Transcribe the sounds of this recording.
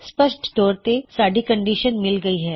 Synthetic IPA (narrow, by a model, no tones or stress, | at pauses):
spəʃʈd̪ɔːɾt̪esaːɖikɐ̃ɳɖiːʃənmɪlɡɐiɦɛː